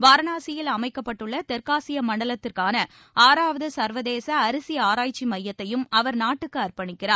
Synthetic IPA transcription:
ʋaːɾɐnaːsɪjɪlɐmɐɪkːɐpːɐʈːɯɭːɐt̪ɛɾkaːsɪjɐmɐɳɖɐlɐt̪ːɪrkaːnɐ | aːɾaːʋɐðɐsɐɾʋɐðeːsɐːɾɯsɪjaːɾaːjt͡ʃːimɐjːɐt̪ːɐjɯmɐʋɐɾnaːʈːɯkːɯɐɾpɐɳɪkːɪraːɾ

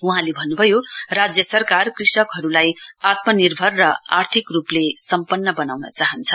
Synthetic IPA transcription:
uɦãlebʱʌnːubʱʌjorad͡zjʌsʌrkarkrisʌkɦʌɾulajat̪mʌnirbʱʌrːʌa̰rt̪ʰikruplesʌmpʌnːʌbʌnawnʌ̰t͡saɦʌnt͡sʰʌ̥

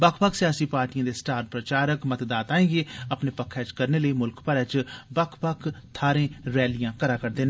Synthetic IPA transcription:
bəkʰbəkʰsɪjaːsiːpaːɾʈijãːd̪eːsʈaːɾʈ̚pɾət͡ʃaːɾəkmət̪d̪aːt̪aːẽːɡeːəpneːpəkʰːɛːt͡ʃkəɾneːləiːmʊlkpəɾɛːt͡ʃbəkʰpəkʰt̪ʰaːɾẽːɾɛːlɪjãːkəɾaːkəɾd̪eːn

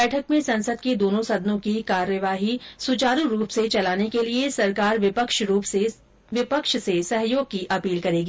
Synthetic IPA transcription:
ɛːʈʰəkmẽsɐ̃nsəd̪ked̪oːnõsɐd̪nõkikaːɾjəʋaːɦisʊt͡ʃaːɾuɾuːpset͡ʃɐlaːnekeliesɐɾkaːɾʋɪpəkʃɾuːpse | ʋɪpəkʃsesɐɦjoːɡ̚kiʔɐpiːlkɐɾeːɡi

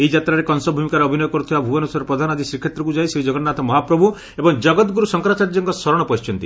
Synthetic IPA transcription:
eid͡ʒat̪ɾaɾekɔnsɔbʱumikaɾeɔbʱinɔjɔkɔɾut̪ʰibabʱuɔnusaɾɔpɾɔd̪ʱanɔad̪ʱisɾikʰːet̪ɾɔkud͡ʒajsid͡ʒɔɡɔtnat̪ʰɔmɔɦapɾɔbʱu | ebɔŋd͡ʒɔɡɔt̪ɡuɾusɔŋkɾat͡ʃaɾd͡ʒɔŋkɔsɔɾɔɽ̃ɔpɔit͡ʃɔnt̪i

